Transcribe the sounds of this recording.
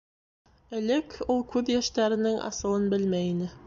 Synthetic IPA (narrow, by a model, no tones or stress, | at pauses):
ɘ̆lɘkulˠkʉðjæʃt̪æɾɘ̆nɘŋʔɑ̰sɤ̆lˠɤnbɘlmæjinɘ